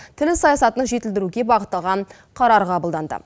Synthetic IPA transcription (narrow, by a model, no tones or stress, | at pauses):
t̪ʰɪlɪsɑjɑsɑt̪ənʒe̞t̪ɪld̪ɪɾuɡʲe̞bɑʁət̪ːɑlˠʁɑn | qʰɑɾɑɾqʰɑbəlˠd̪ɑnd̪ə̰